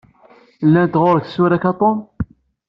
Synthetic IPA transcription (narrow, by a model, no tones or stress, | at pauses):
lːænt̪ʁoɾəksuɾækɑt̪ˤom